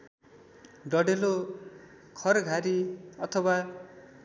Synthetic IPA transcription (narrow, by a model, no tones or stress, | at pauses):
ɖʌɽelo | kʰʌɾɡʱaɾiʌt̪ʰʌwa